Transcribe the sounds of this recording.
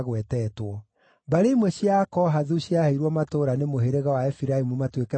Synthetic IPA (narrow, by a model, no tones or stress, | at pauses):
ɣwɛtɛtwɔ | baɾeimwɛɕjakɔɦaðuɕjaheiɾwɔmatoɾanemoɦeɾeɣawaɛfiɾaimumatwekɛ